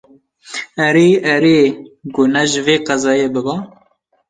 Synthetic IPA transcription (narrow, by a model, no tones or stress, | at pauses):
ɛɾeːɛɾeːɡʊnɛʒɪveːqɑzɑːjeːbɨbɑː